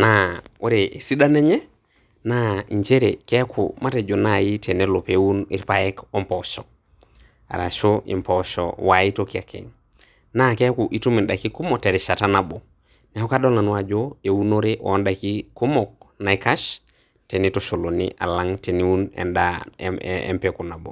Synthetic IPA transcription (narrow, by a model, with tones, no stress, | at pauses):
nao˦ɾe˨ʔe˨si˦da˦ne˦ɲe˦ | na˦i˨ɲt͡ʃe˦ɾekɛ˦kʰṵma˦te˨d͡ʒo˨naji˦te˨nelo˨pewunḭ˦ɾpajɛ˦ko˦mpɔʃɔ˨ | a̰˨ɾa˨ʃoḭ˨mpɔʃo̰wai˦toki˦a˨kʰḛ˨ŋ | na˦kɛ˦kuʔi˦tu˦mi˨nda˨ki˦ku˦mɔte˨ɾiʃa˨tanabo˨ | ne˨ho˦ka˦do˦la˨n˦wa˨d͡ʒoe˨wu˦no˦ɾeʔo̰˦nda˨ki˦ku˦mɔk̚na˨ika˦ʃ | te˨nitoʃo˨lo˨nḭʔa̰˨la˦ŋte˨ni˦wu˦nḛ˨nda | ḛmpɛku˨na˨bo̰˨